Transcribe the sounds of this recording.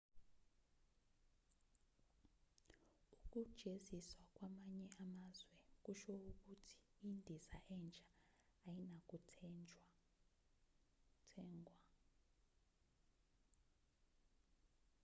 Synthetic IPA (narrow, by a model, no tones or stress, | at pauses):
uk̬ud̥ʒ̥ʱeziswak̬ʼwamaɲɛamazwɛk̬uʃouk̬utʰi̥indʱizaʔɛnt͡ʃʼaːjinak̬ʼu | tʰɛːŋwa